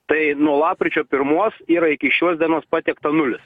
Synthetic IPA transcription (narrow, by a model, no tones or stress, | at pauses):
t̪ɐɪnuɔlˠɑːp̚kʲɾʲɪt͡ʃʲoːpʲɪɾmuɔsiːɾɐɪkʲɪʃʲuɔsd̪ʲiɛnoɔspɑːt̪ʲɛkt̪ɐnʊlʲɪs